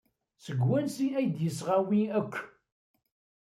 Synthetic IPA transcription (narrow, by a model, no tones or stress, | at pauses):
səɡwænsiæjd̪jəsʁawiækʷː